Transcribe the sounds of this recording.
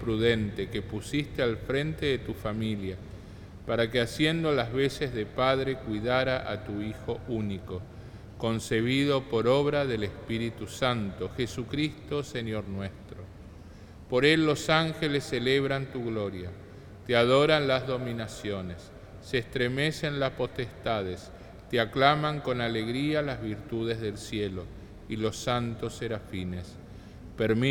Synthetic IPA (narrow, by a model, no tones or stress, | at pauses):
pɾuðe̞nt̪e̞ke̞pusist̪ealfɾẽ̞nt̪e̞ðet̪ufamilja | paɾakeasje̞nd̪olazβe̞se̞zðe̞pað̞ɾe̞kwiðaɾaʔa̰t̪uixo̞uniko̞ | ko̞nse̞β̞ið̞o̞po̞ɾo̞βɾaðe̞lespiɾit̪usant̪o̞xesukɾist̪o̞se̞no̞ɾnwe̞st̪ɾo̞ | po̞ɾe̞lːo̞saŋxelesːeleβɾant̪uɣlo̞ɾja | t̪eaðo̞ɾanlazðo̞minasjo̞ne̞sː | eeːst̪ɾeme̞se̞nlaspo̞t̪est̪aðes | t̪eaklamaŋko̞nale̞ɣɾialazβiɾt̪uð̞ezðe̞lsjelo | ilo̞sant̪o̞seɾafines | peɾm